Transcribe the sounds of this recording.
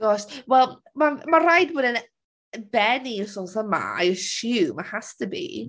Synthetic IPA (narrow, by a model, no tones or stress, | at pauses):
ɔswɛlˠ | mamarajdboːdən | bɛniʊsɔnθəma̰a̰jəʃuwmahastəbḭ